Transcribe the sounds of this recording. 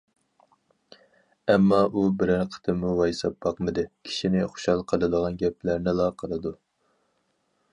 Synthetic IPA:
ɛmːɑʔubɪɾæɾqʰə̥t̪ʰɨmːuwɑjsɑp̚bɑqmɨd̪ɪkʲʰi̥ʃinɪχʊ̥ʃɑlˠqʰəlˠɨd̪əʁɑnɡʲɛplæɾnɪlˠɑqʰəlˠɨd̪u

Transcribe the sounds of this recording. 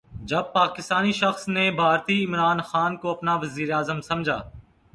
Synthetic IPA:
d͡ʒɐb̚paːkɪst̪aːniʃəxsneːbʱaːɾt̪iːɪmɾaːnxaːnkoɐpnaʋəziːɾeaːzəmsɐmd͡ʒʱa̰ː

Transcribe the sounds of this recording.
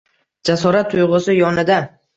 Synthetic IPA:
d͡ʒasɒɾat̪ʰːʊjʁʊsɪjɒnɪd̪a

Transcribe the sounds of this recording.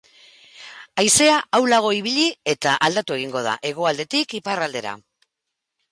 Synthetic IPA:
ajse̞aʔawlaɣ̞o̞iβ̞iʎie̞t̪aʔald̪at̪ue̞ɣ̞iŋɡo̞ð̞a̰ʔe̞ɣ̞oald̪e̞t̪ikiparald̪e̞ɾa̰

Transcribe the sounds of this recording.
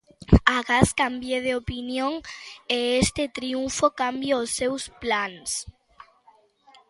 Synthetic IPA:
aɣaskambjeðeopinjoŋeest̪et̪ɾiuɱfokambjaosːewsplaŋs

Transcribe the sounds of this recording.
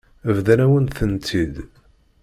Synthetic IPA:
əvðænæwənθənt̪ʰid̪

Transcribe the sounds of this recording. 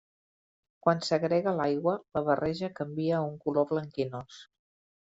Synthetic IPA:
kwansəɣɾɛɣəlajɣwələβərʔɛʒəkəmbiəuŋkuloβləŋkinos

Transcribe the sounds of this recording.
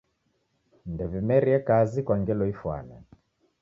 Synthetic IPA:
ndɛvimɛɾiɛkazikwaŋɡɛlɔifwa̰nɛ̰

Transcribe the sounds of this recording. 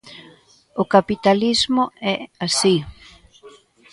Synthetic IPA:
ʊkapit̪alizmʊɛasi

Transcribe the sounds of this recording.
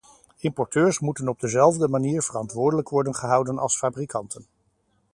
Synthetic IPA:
ɪmpɔɹtøːɹsmutənɔb̚dəzɛlˠvdəmaniːɹvərɑntʋʊːɹdələkʋɔɹdənχəɦʌwdənʔɑ̰lˠsfaːbrikʰɑntən

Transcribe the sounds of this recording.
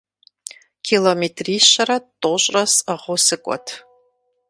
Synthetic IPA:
kʰʲilometʰriʃaɾatʼoɕʼrɐsaʁosɨkʷʼɔ̰tʰ

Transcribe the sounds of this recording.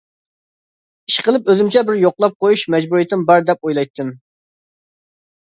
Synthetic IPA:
iʃqʰəlˠɨpøzymt͡ʃʰɛbɪɾjoqlˠɑp̚qʰojuʃmɛd͡ʒbuɾijit̪ʰɪmbɑɾd̪ɛp̚ojlˠɑjt̪ʰːɨm

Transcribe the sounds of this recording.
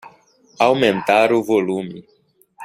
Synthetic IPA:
awmẽnt̪aɾʊvolũmi

